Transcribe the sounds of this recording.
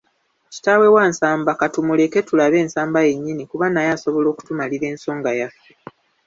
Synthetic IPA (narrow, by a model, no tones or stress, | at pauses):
ci̥tawe̞waːnsaːmbakatumule̞ke̞tulaβe̞ːnsaːmbaje̞ɲːinikuβanajaso̞βo̞lo̞ːku̥tumaliɾe̞ːnso̞ːŋɡajafe